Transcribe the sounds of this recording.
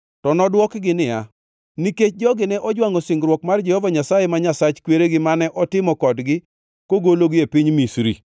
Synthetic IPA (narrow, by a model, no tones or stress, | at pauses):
tɔnɔdwɔkɡɪnɪja | niket͡ʃd͡ʒɔɡɪnɛʔɔd͡ʒwaŋosɪŋɡɾwɔkmard͡ʒɛhɔvaɲasajemaɲasat͡ʃkweɾeɡɪmanɛʔɔtɪmɔkɔdɡɪ | koɡoloɡɪepɪɲmisɾḭ